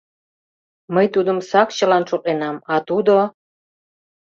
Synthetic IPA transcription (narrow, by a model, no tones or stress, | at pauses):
məjt̪ud̪əmsɑk̚t͡ɕə̆lɑnʃokenɑmɑt̪ud̪o